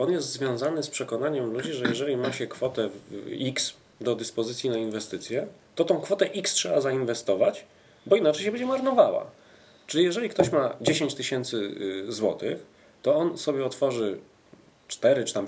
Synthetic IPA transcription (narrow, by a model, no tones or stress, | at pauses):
ɔnjɛst̪zvʲjɔ̃zanɘspʂɛkɔnaɲɛmlud͡ʑiʐɛjɛʐɛlʲimaɕɛkfɔt̪ɛviks | d̪ɔd̪ɘspɔzɘt̪sʲjinainvɛst̪ɘt̪sʲjɛ | t̪ɔt̪ɔ̃w̃kfɔt̪ɛʔikstʂɛbazainvɛst̪ɔvat͡ɕ | bɔinat͡ʂɛjɕɛbɛɲd͡ʑɛmaɾnɔvawa̰ | t͡ʂɘlʲijɛʐɛlʲikt̪ɔɕmad͡ʑeɕeɲt͡ɕt̪ɘɕɛnt̪sɘzwɔt̪ɘx | t̪ɔɔnsɔbʲjɛɔt̪fɔʐɘ | t͡ʂt̪ɛɾɘt͡ʂɘ̥t̪am